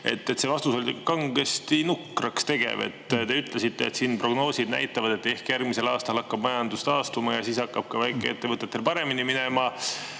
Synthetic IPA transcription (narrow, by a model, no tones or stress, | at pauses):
e̞̰t̪ːet̪se̞vɑst̪uso̞lʲikɑŋɡest̪inukrɑkst̪e̞ɡ̥ḛvḛt̪ːˑt̪e̞yt̪ːˑle̞sit̪ːe̞ːt̪siːnpro̞ɡ̥no̞ːsid̪næ̰jt̪ːˑɑvɑd̪̥e̞t̪ːe̞hkjærɡmise̞lɑːst̪ɑlɑkːɑb̥mɑjɑnd̪ust̪ɑːst̪umɑjɑsiːsɑkːɑb̥̚kɑvæjkːˑeet̪ːe̞vɤt̪ːˑet̪ːe̞lpɑɾe̞miniminemɑ